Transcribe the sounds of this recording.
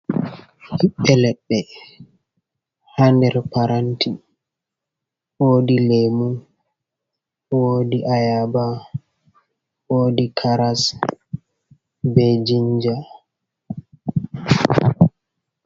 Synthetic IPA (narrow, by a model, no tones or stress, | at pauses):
hiɓːɛlɛɓːɛ | handɛɾpaɾantʰi | wodilemun | wodiʔajaba | woːdikʰaɾas | bed͡ʒiɲd͡ʒa